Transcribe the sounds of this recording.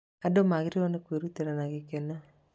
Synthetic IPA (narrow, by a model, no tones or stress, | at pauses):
adomaɣiɾionekweɾutiɾanaɣekena